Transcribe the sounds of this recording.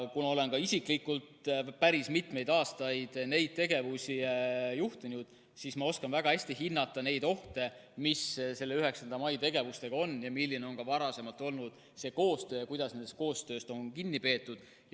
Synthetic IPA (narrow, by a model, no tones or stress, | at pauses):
kunɑo̞le̞nkɑisiklikːult̪pæɾismit̪me̞jd̪ɑːst̪ɑjd̪̥ne̞jd̪̥̚t̪e̞ɡe̞vusʲijuht̪inud̪̥ | sismɑo̞skɑnvæɡ̥ɑhæsʲt̪iɦinːɑt̪ːˑɑne̞jd̪̥o̞ht̪e̞misse̞lːeyɦe̞ksɑnd̪ɑmɑjt̪e̞ɡ̥e̞vust̪e̞ɡɑo̞nːjɑmilːine̞o̞nkɑvɑɾɑse̞mɑlt̪ˑo̞lnud̪̥ | se̞ːko̞ːst̪ø̞ːjɑkujd̪̥ɑsnenst̪̚ko̞ːst̪ø̞ːst̪o̞nkinːipe̞ːt̪ːˑud̪̥